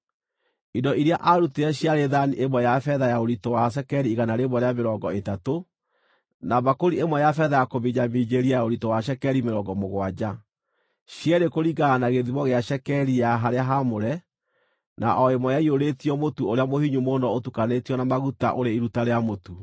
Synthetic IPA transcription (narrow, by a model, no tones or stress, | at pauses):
idɔʔiɾeaʔaɾuteɛɕiaɾeðaniʔemwɛjafɛðajaoɾitowas̬ɛkɛɾiːɣanaɾemwɛɾeameɾɔːŋɡɔetato | naβakoɾiemwɛjafɛðajakoβiɲamiːd͡ʑeɾiajaoɾitowaɕɛkɛɾimeɾɔɡɔmoɣwad͡ʑa | ɕjɛɾekoɾiɡaːnaɣeðiβɔɣeaʃɛkɛɾijaɦaɾeaɦamoɾɛ | na̰ʔɔemwɔjaioɾetiɔmotuoɾeamohiɲumonɔotukanetiɔnamaɣuta̰ʔoɾeiɾutaɾeamotu